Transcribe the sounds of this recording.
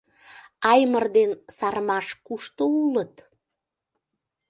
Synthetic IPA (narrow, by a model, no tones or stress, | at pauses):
ɑjmərd̪ensɑrmɑʃkuʃt̪oulət̪